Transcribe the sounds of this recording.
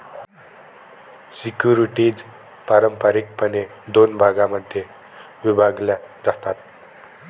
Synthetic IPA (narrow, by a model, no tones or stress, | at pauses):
sikjuɾiʈid͡z | paɾəmpəɾik̚pəne | d̪onbʱaɡaməd̪ʱje | ʋibʱaɡljad͡zat̪at̪̚